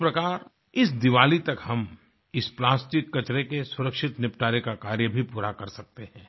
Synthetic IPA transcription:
pɾɐkaːɾ | ɪsd̪ɪʋaːlit̪ɐkhɐm | ɪsplaːsʈɪkːɐt͡ʃɾekesʊɾəkʃɪt̪nɪp̚ʈaːɾekakaːɾjəbʱipuːɾakɐɾsɐk̚t̪ehɛ̃ː

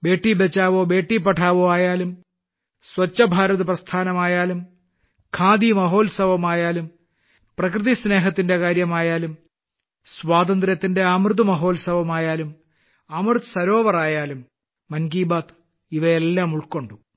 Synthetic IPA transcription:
be̞ːʈːibet͡ɕːaːʋoːbe̞ːʈːip̬ːɐʈʰaːʋoːaːjaːlum | swɐt͡ɕːɐbʱaːɾɐðɨprɐst̪ʰaːnɐmaːjaːlum | kʰaːd̪imɐɦo̞ːlsɐʋɐmaːjaːlum | prɐkrɨðisne̞ːɦɐt̪ːinde̞kaːɾjɐmaːjaːlum | sʋaːd̪ɐnd̪ɾɐt̪ːinde̞amrɨd̪umɐɦo̞ːlsɐʋɐmaːjaːlum | ɐmrɨt̪sɐɾo̞ːʋɐraːjaːlumː | ɐnɡiːbaːt̪ | iʋɐelːaːmuɭko̞ɳɖu

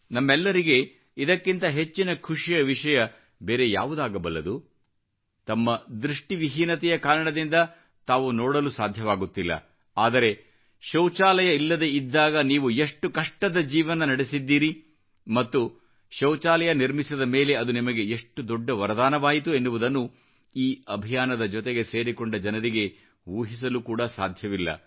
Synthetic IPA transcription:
nɐmːɛlːɐɾiɡe̞ | id̪ɐkːint̪ɐɦe̞t͡ʃːinɐkʰuʂijɐʋiʂɐjɐ | be̞ːɾe̞ja̰ːʋud̪aːɡɐbɐlːɐ̰d̪u | t̪ɐmːɐd̪ɾuʂʈiʋiɦiːnɐt̪ɛjɐkaːɾɐɳɐd̪ind̪ɐ | t̪aːʋunɔːɽɐlusaːd̪ʱjɐʋaːɡut̪ːilːɐ̰ | aːd̪ɐɾe̞ | ʃɐwt͡ʃaːlɐjɐilːɐd̪e̞id̪ːaːɡɐniːʋue̞ʂʈːukɐʂʈɐd̪ɐd͡ʒiːʋɐnɐnɐɽesid̪ːiːɾi | mɐt̪ːu | ʃɐwt͡ʃaːlɐjɐniɾmisɐd̪ɐme̞ːle̞ɐd̪unimɐɡe̞eʂʈːud̪ɔɖːɐʋɐɾɐd̪aːnɐʋaːjit̪̬ue̞nːuʋud̪ɐnːu | iːɐbʱijaːnɐd̪ɐd͡ʒɔt̪eɡe̞se̞ːɾikoɳɖɐd͡ʒɐnɐɾiɡe̞ | uːɦis̬ɐlukuːɽɐsa̰ːd̪ʱjɐʋilːɐ̰

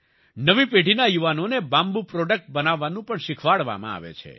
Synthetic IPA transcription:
nəʋipeɖʱinajuʋanonebãmbupɾɔɖək̚ʈ̚bənaʋːanũpəɳʃɪkʰʋaɭʋa̰mã̰a̰ʋḛt͡ʃʰḛ

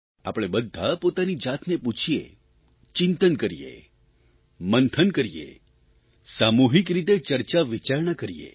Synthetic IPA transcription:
a̰pəɽ̃ebəd̪ʱːapot̪anid͡ʒat̪neput͡ʃʰijḛ | t͡ʃɪnt̪ənkəɾijḛ | mənt̪ʰənkəɾijḛ | samuɦikɾit̪et͡ʃəɾt͡ʃaʋit͡ʃaɾɳakəɾijḛ

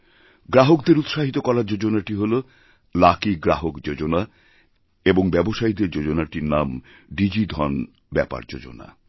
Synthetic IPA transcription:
ɡɾaɦokd̪eɾut̪ʃaɦit̪okɔɾaɾd͡ʑod͡ʑonaʈiɦolo | lakiɡɾaɦokd͡ʑod͡ʑona | eboŋbɛboʃaid̪eɾd͡ʑod͡ʑonaʈiɾnam | ɖid͡ʑid̪ʱɔn | bɛpa̰ɾd͡ʑo̰d͡ʑo̰na̰

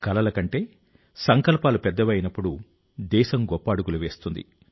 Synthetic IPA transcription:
kɐlɐlɐkɐɳʈe̞ː | sɐŋkɐlpaːlupɛd̪ːɐʋɐjinɐpːuɽu | d̪ɛːʃɐmɡɔpːɐːɽuɡuluʋe̞ːst̪und̪ḭ

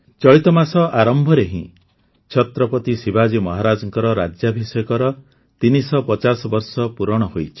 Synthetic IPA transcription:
t͡ʃɔɭit̪ɔmasɔʔaɾɔmbʱɔɾeɦḭ̃ | t͡ʃʰɔt̪ɾɔpɔt̪isibʱad͡ʒimɔɦaɾad͡ʒɔŋkɔɾɔɾad͡ʒjabʱisɔjɔkɔɾɔ | t̪inisɔpɔt͡ʃasɔbɔɾsɔpuɾɔɽ̃ɔɦojt͡ʃʰi̥

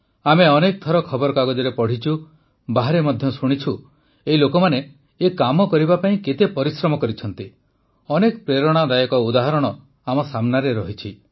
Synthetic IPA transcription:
ameɔnek̚t̪ʰɔɾɔkʰɔbɔɾɔkaɡɔd͡ʒɔɾepɔɽ̤it͡ʃʰu | baɦaɾemɔd̪ʱjɔsuɽ̃it͡ʃʰu | eɦilokɔmane | ekamɔkɔɾibapaĩket̪epɔɾisɾɔmɔkɔɾit͡ʃʰɔn̪t̪i | ɔnekpɾeɾɔɽ̃ad̪ajɔkɔud̪aɦɔɾɔɽ̃ɔ | amɔsamnaɾeɾɔɦit͡ʃʰi

